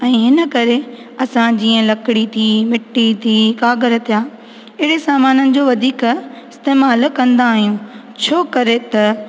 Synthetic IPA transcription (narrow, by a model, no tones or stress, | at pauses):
ɛ̃ːɦɪnə̆kɐɾe | ɐsãd͡ʑĩːə̃lɐkɪɽit̪ʰiːmɪʈːit̪ʰiːkaːɡəɾət̪ʰijaː | ɪɦɪɽesaːmaːnənɪ̆d͡ʑoːʋɐd̪ʱiːkɪst̪eːmaːlkɐ̃nd̪aːɦijũ | t͡ɕʰoːkɐɾet̪ɐ